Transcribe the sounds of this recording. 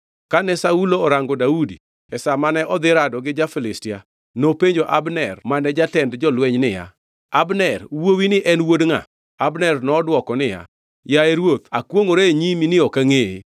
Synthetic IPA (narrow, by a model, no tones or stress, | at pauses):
kanɛsauloːɾaŋɡɔdaudi | ɛsamanɛʔɔd̪ɪɾadɔɡɪd͡ʒafɪlɪstɪa | nopeɲd͡ʒoʔabnɛrmanɛd͡ʒatɛndd͡ʒɔlwɛɲnɪja̰ | abnɛrwowinɪʔɛnwodŋa̰ | abnɛrnɔːdwɔkɔnɪja̰ | jaeɾwot̪akwoŋoɾeɲiminɪɔkaŋee